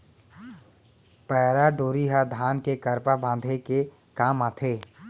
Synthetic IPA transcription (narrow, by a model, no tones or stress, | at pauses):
pɛːɾaɖoːɾiɦad̪ʱaːnkekəɾpabãːnd̪ʱeke | kaːmaːt̪ʰeː